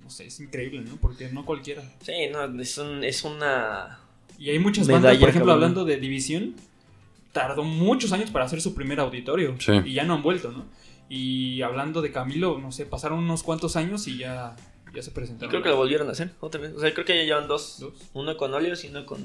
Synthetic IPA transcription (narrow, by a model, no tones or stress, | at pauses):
nosḛesiŋkɾe̞iβleno̞poɾke̞no̞kwalkje̞ɾasinoesunesuna | iajmut͡ʃazmanðasoɾexeploaβland̪o̞ðe̞ðiβisjo̞n | t̪aɾðo̞mut͡ʃo̞s̬aɲo̞spaɾaːse̞ɾsupɾime̞ɾawðit̪o̞ɾjo̞siiʝano̞ambwe̞lt̪o̞no̞iaβland̪o̞ð̞e̞kamilo̞no̞se̞pasaɾonunoskwant̪o̞saɲo̞siʝa | ʝase̞pɾesent̪aɾokɾeokeloβolβjeɾonase̞ɾot̪ameoseakɾekejaʝeβand̪osd̪osunokonoljosiunoko̰n